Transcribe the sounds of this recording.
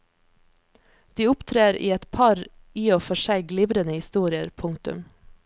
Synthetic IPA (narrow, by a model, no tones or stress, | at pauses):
d̪̥iːʊpt̪ʰɾeːɾḭːɛt̪pʰɑɾ | iːoːfɔʃæɪɡlɪʋɾənəhɪst̪uːɾɪəɾpʰʊŋt̪ʉ̰m